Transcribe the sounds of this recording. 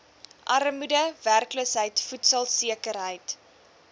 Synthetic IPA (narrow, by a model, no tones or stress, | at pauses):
ʔɐrmudəværkləsɦəjtfutsɐlˠsiəkəɾɦəjt